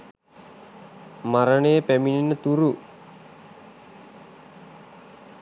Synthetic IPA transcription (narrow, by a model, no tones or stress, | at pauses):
maɾəɳəjəpæmininːət̪uɾu